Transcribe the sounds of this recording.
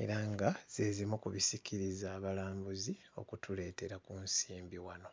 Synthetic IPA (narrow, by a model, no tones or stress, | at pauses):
e̞ɾaŋɡaz̥e̞zimukuβisikʰiɾizaːβalaːmbuzi | o̞̰kutule̞ːte̞ɾakunsiːmbiwano̞